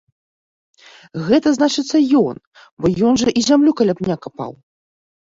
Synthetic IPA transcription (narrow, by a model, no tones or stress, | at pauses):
ɣɛt̪ɐznat͡ʂɨt̪sːɐjɔn | bɔjɔnʐɐʔizʲamlʲukɐlʲapnʲakɐpa̰w